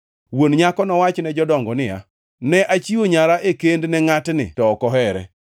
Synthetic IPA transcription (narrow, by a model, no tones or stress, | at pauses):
wonɲakɔnɔwat͡ʃnɛd͡ʒɔdɔŋɡɔnɪja̰ | nɛʔat͡ʃioɲaɾaʔekendnɛŋatnɪ̰tɔːkɔɦɛɾɛ̰